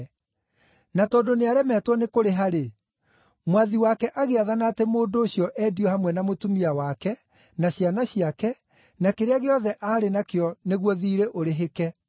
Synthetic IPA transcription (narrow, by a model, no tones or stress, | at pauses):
natɔːdoneaɾɛmɛtwɔnekoɾeɦaɾe | mwaðiwakɛʔaɣeaðanaːtemoːndoːɕjɔʔɛːdiɔhamwɛnamotumiawakɛ | naɕjanaɕiakɛ | nakeɾeaɣeɔðɛʔaːɾenakeɔneɣwɔðiːɾeʔoɾeɦekɛ